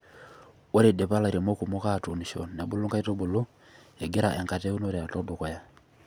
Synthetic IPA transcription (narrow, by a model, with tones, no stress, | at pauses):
wo˦ɾe˨de˨pa˦la˨ɾe˨mo˦ku˨mo˦ka˦˨tu˨ni˨ʃo̰˨nːe˨bo˦lo˦ŋɡa˦i˦to˦bo˨lo˦ | e˨ɡe˦ɾa˨ʔɛ˨ŋka˨te˦u˦no˦ɾe˨a˨tɔ˦do˨kɔ˨ja˦